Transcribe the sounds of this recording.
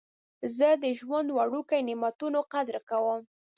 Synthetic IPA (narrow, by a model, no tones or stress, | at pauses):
zəd̪əʒwand̪waɽukajnɪmat̪unoqad̪ɾkawəm